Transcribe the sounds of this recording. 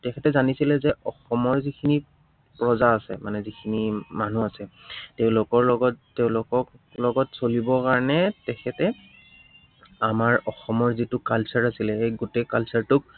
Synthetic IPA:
tɛkʰɛtɛzanisilɛzɛɔxɔmɔɹzikʰini | pɹɔzaːsɛ̰manɛzikʰinimanuasɛteʊ̃lʊkɔɹlɔɡɔtteʊ̃lʊkɔklɔɡɔtsolibɔkaɹɔnɛtɛkʰɛtɛ | amaɹɔxɔmɔɹzitʊkalsaɹasilɛejɡutekalsaɹtʊk̚

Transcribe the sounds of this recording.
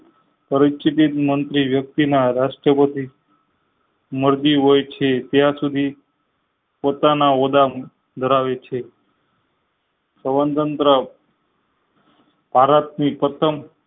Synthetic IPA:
pəɾit͡ʃit̪it̪mənt̪ɾiʋjək̚t̪inaɾaʂʈɾəpət̪i | məɾd͡ʒiɦojt͡ʃʰet̪jãsud̪ʱi | pot̪anaod̪am | d̪ʱəɾaʋet͡ʃʰe | səbənt̪ənt̪ɾə | paɾat̪̚nipət̪ʰəm

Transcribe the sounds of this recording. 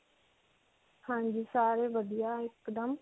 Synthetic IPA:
hãːɲd͡ʒiːsaːɾeːʋəd̪ijaːɪkd̪əm

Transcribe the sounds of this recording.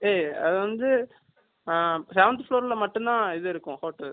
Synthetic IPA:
eːɐðɯʋɐnd̪ɯ | sɛʋɐnd̪floːɾɪlɐmɐʈːʊ̃nd̪ãːɪðɯɪɾɯkːʊ̃koːʈːɐl

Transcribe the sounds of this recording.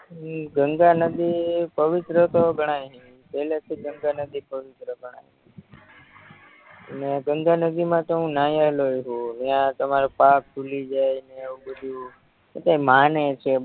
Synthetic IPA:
ɡəŋɡanəd̪ipəʋɪt̪ɾət̪oɡʱəɽ̃ajɦĩ | pɛlet̪ʰiɡəŋɡanəd̪ipəʋɪt̪ɾəɡʱəɽ̃aj | mjãɡəŋɡanəd̪imãt̪oɦũnajalojɦũmjãt̪əmaɾopak̚kulid͡ʒajneeʋũbəd̪ʱu | et̪aimanet͡ʃʰe

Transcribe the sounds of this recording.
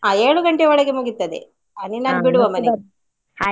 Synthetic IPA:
aːeːɭuɡɐɳʈeʋɐɭɐɡemuɡit̪ːɐd̪ḛ | ɐninaːnbiɽuʋɐmɐne

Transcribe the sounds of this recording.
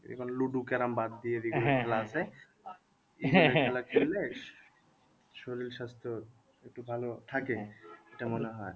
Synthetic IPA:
dḭkʰɔnluɖukɛɾambad̪ːijebiɡɔnbʰʱɛlaasʰe | a | iiaɛlakʰele | ʃoɾilʃast̪ʰoɾ | ek̚ʈubʱalot̪ʰakeeʈamoneɦɔe

